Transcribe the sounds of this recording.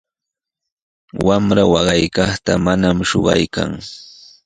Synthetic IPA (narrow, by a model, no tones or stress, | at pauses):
wamɾawɑɢɑjkɑχt̪amanamʃoɢɑ̰jka̰ŋ